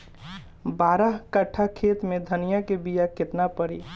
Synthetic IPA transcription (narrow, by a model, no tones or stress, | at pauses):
baːɾaɦkəʈʰakʰeːt̪mẽd̪ʱɐnɪjakebijakɪt̪napəɾiː